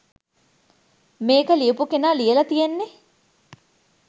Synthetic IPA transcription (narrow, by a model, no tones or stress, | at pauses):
meːkəliepukenaːlijelɐt̪ijenːe